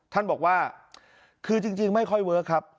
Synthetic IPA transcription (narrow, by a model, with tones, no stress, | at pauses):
t̪ʰa˥˩nbɔː˨˩k̚waː˥˩ | kʰɯː˧t͡ɕi˧ŋt͡ɕi˧ŋma˥˩jkʰɔ˥˩jwɤː˦˥kʰɾa˦˥p̚